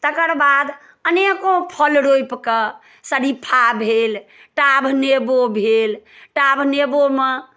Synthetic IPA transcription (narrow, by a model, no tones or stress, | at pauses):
t̪əkəɾbad̪ | ənekopʰəlɾojpkə | səɽipʰabʱel | ʈabʱnebobʱelʈabʱnebome